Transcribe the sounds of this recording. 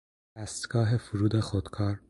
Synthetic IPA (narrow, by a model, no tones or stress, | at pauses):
d̪æst̪ɡ̥ɒːɦefuɾuːd̪exod̪̥kʰɒːɾ